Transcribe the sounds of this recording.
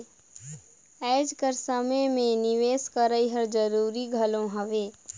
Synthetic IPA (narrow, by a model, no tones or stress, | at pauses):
ɛːd͡ʒkəɾsəməmẽnɪʋeːskəɾəiɦəɾd͡ʒəɾuːɾiɡʱɐlõɦɐʋeː